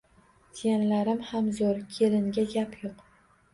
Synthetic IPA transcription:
t̪ʰijanlaɾɪmhamzoɾkʲʰelɪŋɡʲaɡʲapʰjoq

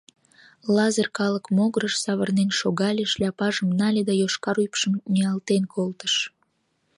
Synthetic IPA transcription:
lɑzərkɑləkmoɣəɾəʃsɑβərnenʃoɣɑlʲeʃlʲɑpɑʒəmnɑlʲed̪ɑjoʃkɑɾujpʃəmnʲiɑlt̪enkʰolt̪ə̥ʃ

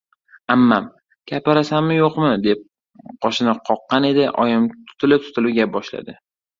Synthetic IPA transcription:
amːam | kʲʰapaɾasamːɪjoqmɪd̪ep̚ | qʰɒʃɪnɪqʰɒqːɑne̞d̪ɪʔɒjɪmt̪ʰʊ̥t̪ʰɪlɪp̚t̪ʰʊ̥t̪ʰɪlɪɡʲap̚bɒʃla̰d̪ɪ

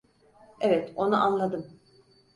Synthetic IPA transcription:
evɛt̪o̞nuʔanlˠad̪ɯm

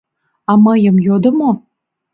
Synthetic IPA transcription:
ɑməjəmjod̪ə̆mo

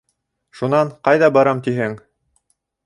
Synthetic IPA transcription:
ʃunɑɴqɑjðɑbɑɾɑmt̪iɦɘŋ

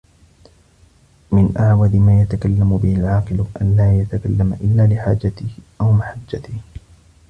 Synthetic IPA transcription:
mɪnʔaʕwad̪ɪmaːjat̪akalːamʊbɪhɪlʕɑːqɨlʔa̰nlaːjat̪akalːamaʔɪlːaːlɪħaːd͡ʒat̪ɪhʔawmaħad͡ʒːat̪ɪh

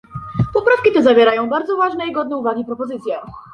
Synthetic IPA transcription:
pɔpɾafkʲit̪ɛzavʲjɛɾajɔ̃w̃baɾd̪zɔvaʐnɛiɡɔd̪̚nɛuvaɡʲipɾɔpɔzɘt̪sʲjɛ

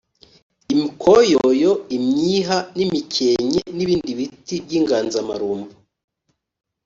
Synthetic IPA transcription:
imikʰojojoimɲiːɦanimicʰeɲeniβiːndiβitibɟiːŋɡaːnzama̰ɾuːmbu

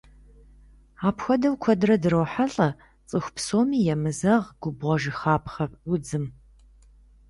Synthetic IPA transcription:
aːpxʷɔdɐwkʷʰɔdrɐdɨɾowħaɬʼɐ | t͡sʼɨxʷpsoːmiːjɛmɨzɐʁɡ̥ʷʊbʁɔʒɨχaːpʰχɐpʊd͡zɨm

